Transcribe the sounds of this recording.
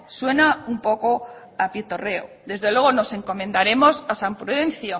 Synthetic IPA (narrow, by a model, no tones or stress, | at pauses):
swe̞naumpo̞ko̞ | apit̪o̞re̞o̰ | ðe̞zðe̞lwe̞ɣ̞o̞no̞se̞ŋko̞mẽ̞nd̪aɾe̞mo̞sasampɾoenθjo